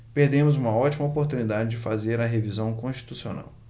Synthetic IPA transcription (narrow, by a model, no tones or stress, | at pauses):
peɾd̪ẽmʊzũmɐɔt͡ʃimɐopoɾt̪unid̪ad͡ʒɪd͡ʒɪfazeɾɐɦevizɐ̃w̃kõʃt͡ʃi̥t̪usio̰na̰w